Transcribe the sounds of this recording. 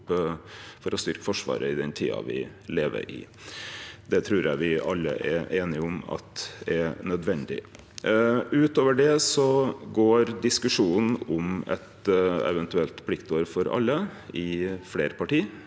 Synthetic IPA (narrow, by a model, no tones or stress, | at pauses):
fɔɾɔst̪ʏɾkəfɔʂʋɑ̰ːɾəɪd̪ɛnt̪ʰḭːɑ̰ʋɪleːʋə̰ɾɪ̰ | d̪ɛt̪ʰɾʉːɾjæɪʋɪɑlːə̰ʔɛʔeːnɪʊmɑ̰t̪̚ɛnœd̪ʋɛnd̪ɪ̰ | ʉːt̪oːʋəɖɛsɔɡoːɾd̪ɪskʉʂuːn̩ɔmɛ̰t̪ɛ̰ʋɛnt̪ʉɛlt̪pʰlɪkt̪oːɾfɔɾɑ̰lːəɪfleːɾəpɑʈiː